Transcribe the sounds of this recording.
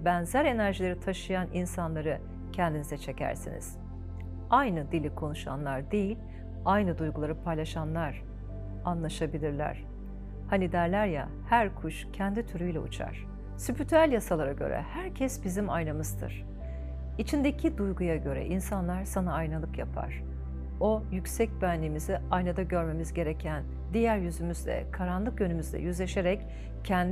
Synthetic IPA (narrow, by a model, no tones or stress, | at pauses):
bænzæɾe̞næɾʒilʲe̞ɾit̪ʰaʃɯjanʔinsanlˠaɾɯ | cʰɛnd̪inizɛt͡ʃʰe̞cæ̰ɾsḭnḭz̥ | ajnɯd̪ilʲikʰo̞nuʃa̰nlˠaɾd̪ejilʲ | ajnɯd̪ujɡulˠaɾɯpʰajlˠaʃanlˠaɾ̥ | anlˠaʃabilʲiɾlʲæ̰ɾ̥ | hanid̪æɾlʲæɾja̰ | hæɾkʰuʃcʰɛnd̪it̪ʰyɾyjlʲɛṵt͡ʃʰa̰ɾ̥ | sypyt̪ʰælʲjasalˠaɾaɟø̰ɾʔɛ̰hæɾcʰɛsbizimajnamɯzd̪ɯ̰ɾ̥ | it͡ʃʰind̪e̞cʰid̪ujɡujaɟø̞ɾɛ̰ʔinsanlˠaɾsanaːjnalˠɯpjapʰa̰ɾ̥ | o̞jycsɛc̚bænlʲimiziajnad̪aɟø̞ɾme̞mizɟe̞ɾecʰæn | d̪ijæɾjyzymyzd̪ɛ̰kʰaɾanlˠɯkjønymyzd̪ɛ̰jyzlʲe̞ʃe̞ɾɛc | cʰɛnd̪